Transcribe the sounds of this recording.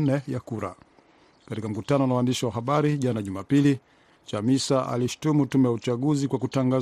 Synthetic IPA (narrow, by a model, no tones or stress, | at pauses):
nɛjakuɾa̰ | katikam̩kutanɔnawaːndiʃiwaɦaɓaɾiʄanaʄumapili | t͡ʃamisaʔa̰liʃu̥tumutumɛjaut͡ʃaɠuzikwakutaŋɡa